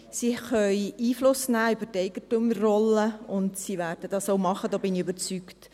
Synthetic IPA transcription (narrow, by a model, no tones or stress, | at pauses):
siχœjiːflʊsnæːʏbətɛɪɡ̥ətumrɔləʊndsiʋæːɾd̥əd̥ɑsowmɑχədɔːbɪnɪøbəɾt͡sykt